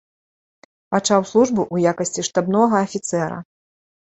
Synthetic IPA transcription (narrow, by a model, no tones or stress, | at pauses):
pat͡ʂawslˠuʐbɨʔujakɐsʲt͡sʲiʂt̪abnɔɣɐːfʲit̪sɛɾɐ̰